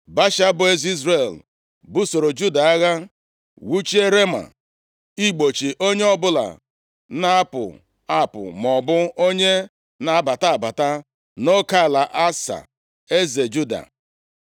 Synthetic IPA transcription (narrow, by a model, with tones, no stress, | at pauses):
ba˦ʃa˦bʊ˨e˦zi˦zɾe˦˨l | bʊ˦so˨ɾo˨d͡ʒu˦da˨a˦ɣa˦ | wu˦t͡ʃi˦e˦ɾe˦ma̰˨ | i˦k͡po˨t͡ʃi˨ʔo˦ɲe˦ɔ˦bʊ˦la̰˨ | na˦a˦pʊ̰˨ | a˦pʊ̰˨m˨ɔ˨bʊ˦o˦ɲe˦ | na˨˦ba˨ta˦a˨ba˨ta˦ | no˦ka˦˨la˨ʔa˦sa̰˨ | e˦ze˨d͡ʒu˦da̰˨